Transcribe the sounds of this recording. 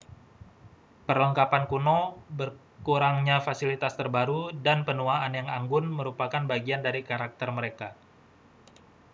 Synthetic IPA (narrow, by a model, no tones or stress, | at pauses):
pərləŋkapankunobər | kuɾaŋɲafasilit̪ast̪ərbaɾudanpənuaanjaŋaŋɡʊnməɾupakanbaɡiandaɾikaɾak̚t̪ərməɾeka